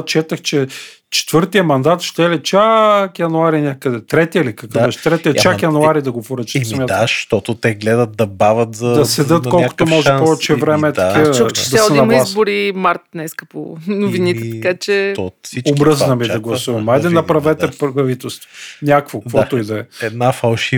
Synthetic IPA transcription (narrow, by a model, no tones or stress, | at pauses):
t͡ʃɛt̪əxt͡ʃɛ | t͡ʃɛ̥t̪vɤɾt̪ijəmɐnd̪at̪ʃt̪ɛɛlɛt͡ʃajɐnuaɾinʲakəd̪ɛt̪ɾɛt̪iəilikɐkbbɛʃɛ̥t̪ɾɛt̪iət͡ʃakjɐnuaɾid̪ɐɡopʊɾət͡ʃə̥smʲjat̪ʃt̪ɔt̪ot̪ɛɡlɛd̪ət̪̚d̪ɐbavɐt̪zɐd̪ɐsɛd̪ət̪kɔlko̥t̪omɔʒɛpɔvɛt͡ʃɛvɾɛmɛt̪ɐkid̪ɐsɛnɐmlˠiaszbʊɾimaɾt̪nɛskəpo̰nʊviniɛt̪ɐkat͡ʃɛsiobɾɤznɐmid̪ɐɡlˠɐsuvɐmajd̪ɛnɐpɾɐvɛt̪ɛpɐvit̪ɛlˠst̪vonʲakvokvɔt̪oid̪ɐɛɛd̪nafɐlˠʃi